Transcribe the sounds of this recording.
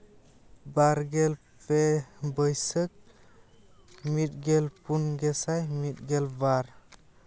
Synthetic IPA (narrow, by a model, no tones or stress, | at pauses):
baɾɡɛl | pʰebəjsək̚ | mit̚ɡelpunɡɛsajmit̚ɡɛlbaɾ